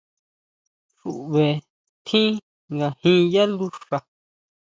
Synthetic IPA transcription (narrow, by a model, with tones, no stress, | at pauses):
ʂu˨ʔβe˨ | t̪ʰĩ˦ | ŋɡa˨hĩ˦˧ja˦lu˧ʂa˨